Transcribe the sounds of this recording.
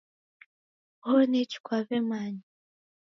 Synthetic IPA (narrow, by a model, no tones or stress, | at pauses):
honet͡ʃi̥kʷwaβɛmaɲi